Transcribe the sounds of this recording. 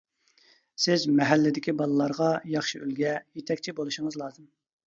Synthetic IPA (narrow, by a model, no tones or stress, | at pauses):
sɪzmɛɦælːɪd̪ɪkʲibɑlˠɨlˠɑɾʁɑjɑχʃiylɡʲɛjet̪ʰɛkʲt͡ʃʰibolˠuʃiŋɨzlˠɑːzɨm